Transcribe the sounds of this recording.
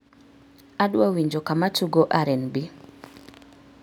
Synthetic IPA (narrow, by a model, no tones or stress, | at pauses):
aɗwawiɲd͡ʒokamat͡ʃuɡoʔaɾɛnbi